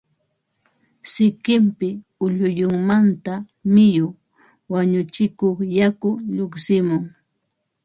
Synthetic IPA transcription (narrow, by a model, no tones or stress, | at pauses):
sɪkɪmpɪʊʎʊjʊŋmant̪a | mɪjo | waɲʊt͡ʃɪkoχjakʊʎoχsɪmʊŋ